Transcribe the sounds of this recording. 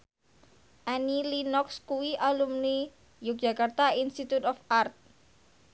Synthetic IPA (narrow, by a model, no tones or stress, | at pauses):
ʔanilinɔkskuwiʔalumni | jʊk̚dd͡ʒ̥a̤kart̪ainst̪it̪ut̪ɔfart̪̚